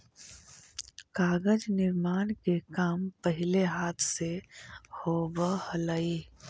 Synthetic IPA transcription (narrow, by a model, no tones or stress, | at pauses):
kaːɡəd͡ʒnɪɾmaːñkekaːmpəɦɪleɦaːt̪ʰsehoːbəhələi